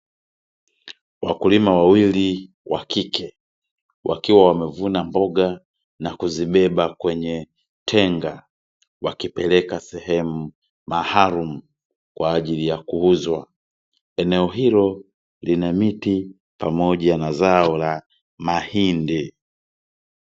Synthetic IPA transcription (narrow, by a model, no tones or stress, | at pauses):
wakulimawawili | wakikʰɛ | wʔakiwawamɛvunambɔɡa | nakuziɓɛɓakwɛɲɛ | tʰɛŋɡa | wakipɛlɛkasɛhɛmu | mahaɾumu | kwaːʄilijakuuzwa | ɛnɛɔɦilɔ | linamiti | pamɔʄanazaɔla | mahindi